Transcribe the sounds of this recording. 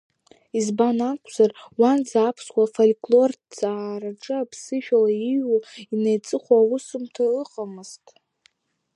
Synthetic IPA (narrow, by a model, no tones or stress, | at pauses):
izbanakʷʼʰz̥arwand͡zaːpʰswʷafolkʼlo̞rd͡zaːɾaʈ͡ʂʼɨapʰsɨʃᶣalaiɥuinejt͡sʼɨχʷaːwʊsɨmtʰaɨqʼamɨztʼ